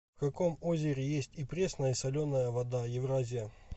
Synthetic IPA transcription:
fkɐkomozʲɪɾʲɪjesʲtʲipɾʲesnəjəsɐlʲonːəjəvɐd̪ajɪvɾazʲɪjə

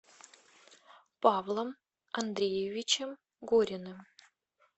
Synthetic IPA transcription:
pɑvlˠəm | ɐnd̪ɾʲejevʲit͡ɕem | ɡoɾʲɪnɨm

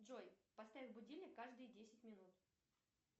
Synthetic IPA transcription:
dʐojpɐst̪avʲɪlˠbʊdʲilʲnʲɪkːaʐd̪ɨjdʲesʲɪtʲmʲɪnut̪

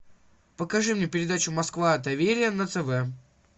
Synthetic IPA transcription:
pəkɐʐɨmnʲepʲɪɾʲɪd̪at͡ɕʊmɐskvad̪ɐvʲeɾʲɪjənət̪sɛvɛ

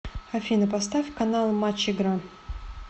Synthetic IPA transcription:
xɐfʲinəpɐst̪afʲkɐnalˠmat͡ɕɪɡɾa

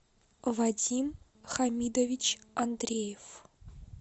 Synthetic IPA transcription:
vadʲim | χamʲid̪ovʲit͡ɕɐnd̪rʲejef

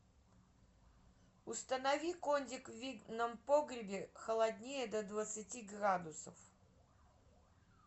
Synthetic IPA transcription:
ʊst̪ənɐvʲikonʲdʲɪkvvʲiɡ̪nəmpoɡɾʲɪbʲɪxəlˠɐd̪ʲnʲejəd̪əd̪vət̪sɨtʲiɡrad̪ʊsə̰f

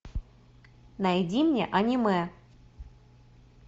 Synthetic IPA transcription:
najdʲimnʲḛʔanʲimɨ

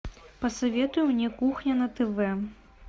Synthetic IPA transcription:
pɐsɐvʲɛt̪ujumnʲɛkuxnʲɐnɐt̪ɛvɛ

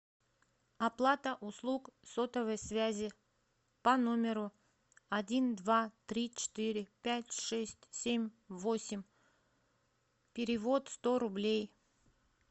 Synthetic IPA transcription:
ɐplˠat̪əʔʊslˠukso̞t̪əvəjsvʲæzʲɪ | pɐno̞mʲɪɾʊ | ɐdʲind̪vat̪ɾʲit͡ɕɪ̥t̪ɪɾʲɪpʲætʲʂɛsʲtʲsʲemʲ | vosʲɪmʲ | pʲɪɾʲɪvo̞t̪st̪o̞ɾʊblʲej

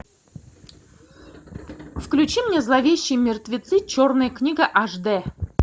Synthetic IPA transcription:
fklʲʉt͡ɕimnʲezlˠavʲeɕːɪjmʲɪrt̪vʲɪt̪sɨt͡ɕornɨjəknʲiɡəʔaʐd̪ɛ

